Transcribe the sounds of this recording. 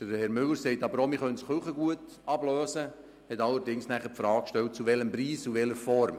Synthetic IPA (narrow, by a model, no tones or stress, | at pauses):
d̥əɾhɛɾmʏləɾsɛɪtɑbəɾoːmɪχœnsχøχəɡuət | ɑbløːsə | hɛtɑlːəɾdɪŋsnæχəpfɾɑːk̚kʃtɛlt̚t͡suʋɛləmbɾiːsuvɛləɾfɔɾm